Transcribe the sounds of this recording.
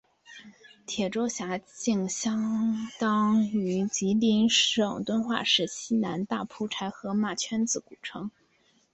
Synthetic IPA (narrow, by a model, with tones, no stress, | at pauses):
t̪ʰjɛ˨˩ʈ͡ʂo˥ʊɕja˧˥t͡ɕi˥˩ŋɕjɑ˥ŋt̪ɑ˥ŋy˧˥t͡ɕi˧˥li˧˥nʂɤ˨˩ŋt̪wə˥nxwa̰˥˧ʂɻ̩˥˩ɕi˥na˧˥nt̪a˥˩pʰu˥ʈ͡ʂʰa˧˥ɪxɤ˧˥ma˥˩t͡ɕʰɥɛ˥nt͡sɹ̩˧˩ku˨˩ʈ͡ʂʰɤ˧˥ŋ